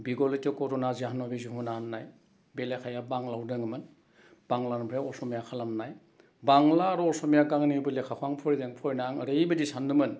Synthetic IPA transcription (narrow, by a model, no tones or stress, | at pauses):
biɡɔlɯtɯkɔɾɔnazeɦanɔbizuhunanːaj | belekʰajabaŋlawdɯŋɯmɯn | b̥aŋlanbʰɾeɔsɔmijakʰalamnaj | baŋlaɾɔɔsɔmijaɡaŋnibɯlekʰakʰwaŋpʰɔɾideŋpʰɔjnaŋəɾejbɯdisandɯmɯn